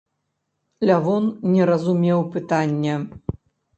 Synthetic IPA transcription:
lʲavɔnːʲɛɾɐzumʲɛwpɨt̪anʲːɛ

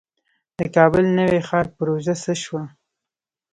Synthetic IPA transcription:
d̪̥əkɑbəlnəwexɑɾpəɾoʒasəʃwa

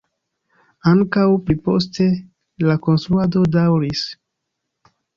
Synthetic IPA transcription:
aŋkawplipo̞s̬te̞ | lako̞nsɾuado̞dawɾis

